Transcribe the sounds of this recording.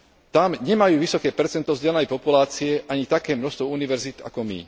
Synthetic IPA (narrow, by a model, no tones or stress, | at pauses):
t̪amɲɛmajuːʋisɔkɛːpɛɾt͡sɛnt̪ɔzɟɛlɛnɛjpɔpulaːt͡siɛʔaɲit̪akɛːmnɔxst̪ʋɔuniʋɛɾzit̪a̰kɔmḭ